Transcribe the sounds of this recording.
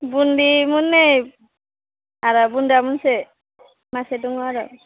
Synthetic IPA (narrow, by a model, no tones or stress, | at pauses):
bundimunːej | aɾabundamunsɛ | masɛduŋaɾɔ